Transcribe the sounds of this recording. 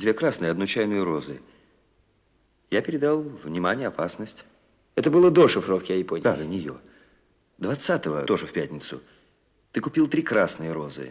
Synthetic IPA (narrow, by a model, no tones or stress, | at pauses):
d̪ʲvʲekɾasnɨjəɐd̪nʊt͡ɕajnɨjəɾo̞zɨ̰ | japʲɪɾʲɪd̪alˠvnʲɪmanʲɪjəɐpasnəsʲtʲ | ɛt̪əbɨlˠəd̪oʂɨfɾofkʲɪjɐɪponʲd̪ad̪ənʲɪjo̰ | d̪vɐt̪sat̪əvə̰t̪o̞ʐɨfʲpʲætʲnʲɪt̪sʊ | t̪ɨkʊpʲilˠt̪ɾʲikɾasnɨjəɾo̞zɨ̰